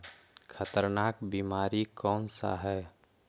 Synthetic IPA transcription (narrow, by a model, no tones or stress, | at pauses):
kʰət̪əɾnaːkbiːmaːɾikɔːnsa̰ɦɛː